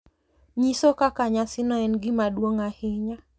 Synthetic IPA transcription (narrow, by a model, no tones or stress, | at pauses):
ɲisokakaɲasɪnɔɛnɡɪmaɗwoŋahɪɲa